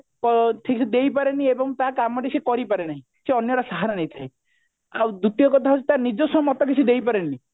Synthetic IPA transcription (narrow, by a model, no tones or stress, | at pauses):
kɔʈʰiksʰid̪ejpaɾeniebɔŋt̪akamɔʈisekɔɾipaɾenaɦĩ | seɔnjɔɾasaɦaɾanet̪ʰae | awd̪ut̪ijɔkɔt̪ʰaɦi̥t̪anid͡ʒɔsɔmɔt̪ɔkit͡ʃʰid̪ejpaɾenːi